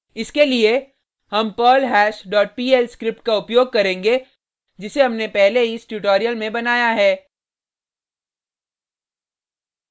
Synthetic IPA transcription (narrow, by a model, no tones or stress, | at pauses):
ɪskelie | ɦɐmpɔːlɦɛːʃɖɔːʈ̚piːɛlskɾɪp̚ʈkaʊpjoːɡ̚kɐɾẽːŋɡe | d͡ʒɪseɦɐmnepɛɦleɦisʈuʈoːɾijəlmẽbɐnaːjaɦɛː